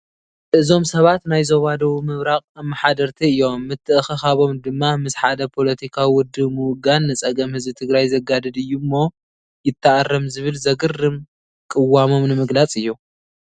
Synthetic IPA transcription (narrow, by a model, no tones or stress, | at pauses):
ɨzo̞msɐβat̪najzo̞βad̪ɐwimɨβɾakʼɐmːaħad̪ɐɾt̪ʰiɨjːo̞mːɨt̪ʰːɨʔɨxɨxaβo̞md̪ɨmːamɨsħad̪ɐpʰo̞lɐt̪ʰikʰawiwʊd̪ːɨβmɨʊɡanːɨt͡sʼɐɡɐmhɨzbɨt̪ʰɨɡɾajzɐɡad̪ɨd̪ɨjːumːo̞ | jɪt̪ʰːɐʔarːɐmzɨβɨlzɐɡɨrːɨm | kʼɨwːamo̞mnɨmɨɡlat͡sʼɨjːu